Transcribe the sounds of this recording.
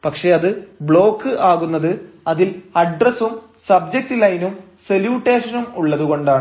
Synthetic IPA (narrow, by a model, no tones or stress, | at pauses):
pɐkʂe̞ɐðɨbɭo̞ːkːɨʔaːɣunːɐðɨ | ɐðilɐɖrɐsum | sɐbd͡ʑek̚ʈɨlɐjnum | se̞ljuːʈːe̞ːʂɐnumuɭːɐðuɣo̞ɳɖaːɳɨ